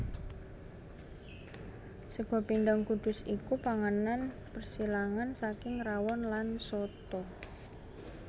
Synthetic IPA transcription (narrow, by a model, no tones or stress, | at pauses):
səɡ̥ɔ̤pind̪aŋkud̪̥ʊ̤sikupaŋanan | pərsilaŋansakɪŋrawɔnlansɔt̪ɔ